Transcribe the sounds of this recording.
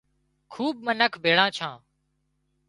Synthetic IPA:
kʰuːbmənəkʰbʱeːɭãːt͡ʃʰãː

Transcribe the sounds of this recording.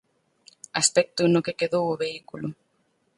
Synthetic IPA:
aspɛk̚t̪ʊnokekeðowoβeikulʊ

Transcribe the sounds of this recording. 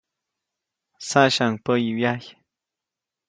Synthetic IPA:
saʃaŋpəjiwjaj

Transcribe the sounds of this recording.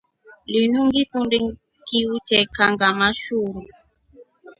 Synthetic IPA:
linuŋɡikundi | kiut͡ʃɛkaŋɡamaʃuɾu

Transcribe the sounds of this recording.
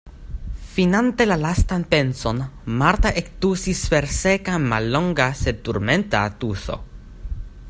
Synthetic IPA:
finant̪elalast̪anpensonmaɾt̪aʔekt̪usisfeɾsekamalːoŋɡaset̪uɾment̪a̰ːt̪uso̰

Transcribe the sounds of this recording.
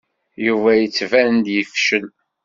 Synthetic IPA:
juvæjət͡sːvænənd̪jəfʃən

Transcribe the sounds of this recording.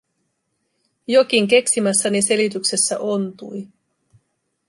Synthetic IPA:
jo̞k̟iŋk̟e̞ksimæsːænise̞lit̪ykse̞sːæ̰ʔo̞nt̪uj

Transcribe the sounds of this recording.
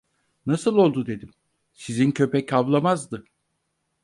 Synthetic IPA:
nasɯlˠo̞lˠd̪ud̪e̞d̪im | sizincʰø̞pɛcʰavlˠamazd̪ɯ

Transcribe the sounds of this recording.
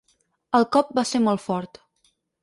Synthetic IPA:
əlˠkɔp̚baseɾmɔlˠt̪fɔɾt̪

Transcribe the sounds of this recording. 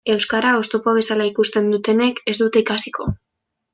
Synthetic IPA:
e̞wskaɾao̞st̪opoaβ̞e̞salaikust̪e̞nd̪ut̪e̞ne̞ke̞zd̪ut̪eikasikʰo̞

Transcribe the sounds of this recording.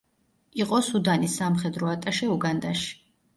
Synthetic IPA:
iqʼɔsud̪anisamχɛd̪ɾɔat̪ʼaʃɛuɡand̪aʃi̥

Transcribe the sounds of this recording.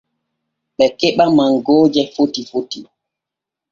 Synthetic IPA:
ɓɛkɛɓamaŋɡɔːd͡ʒɛfotifoti

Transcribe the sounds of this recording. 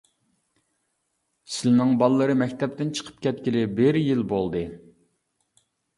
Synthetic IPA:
sɪlnɨŋbɑlˠːɨɾɨmɛkʲt̪ʰɛp̚t̪ɪnt͡ʃʰə̥qʰə̥p̚kʲʰɛt̪̚kʲilɪbɪɾjilbolˠd̪ɨ

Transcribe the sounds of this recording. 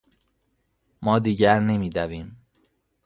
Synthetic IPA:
mɒːd̪iːɟæɾne̞miːd̪æviːm

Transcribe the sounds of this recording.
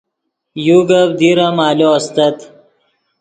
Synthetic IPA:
juɡɐb̚d̪iɾamaːloɐst̪ɐt̪

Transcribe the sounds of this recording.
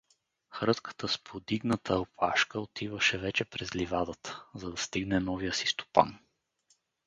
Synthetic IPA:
xɾɤt̪kə̥t̪əspʰod̪iɡnət̪ʰəopʰaʃkəot̪ʰivəʃɛvɛt͡ʃɛpɾɛzlivad̪ət̪ə̥zɐd̪ɐst̪iɡnɛnɔvijəsi̥st̪o̥pa̰n

